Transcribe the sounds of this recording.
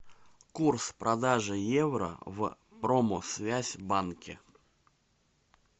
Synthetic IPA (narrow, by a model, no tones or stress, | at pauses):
kurspɾɐd̪aʐɨjevɾə̰v | pɾomosvʲæzʲbankʲɪ̰